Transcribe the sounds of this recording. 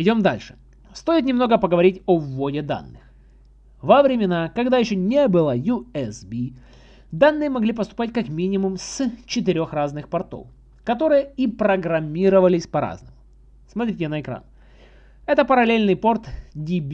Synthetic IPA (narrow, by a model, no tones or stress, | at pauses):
ɪdʲo̞md̪a̰lʲʂɨ̥ | st̪o̞ɪt̪̬nʲɪmno̞ɡəpəɡəvɐɾʲitʲovːodʲɪd̪a̰nːɨx | vəvɾʲɪmʲɪnakɐɡd̪ajɪɕːonʲebɨlˠəjuɛsbʲi | d̪anːɨjəmɐɡlʲipəst̪ʊ̥patʲkakmʲinʲɪmʊmst͡ɕɪt̪ɨɾʲo̞xraznɨxpɐrt̪o̰f | kɐt̪o̞ɾɨjəipɾəɡɾɐmʲːiɾəvəlʲɪsʲpɐɾa̰znəmʊ | smɐt̪ɾʲitʲɪnəɪkɾa̰n | ɛt̪əpəɾɐlʲelʲnɨjpo̞rt̪dʲibʲ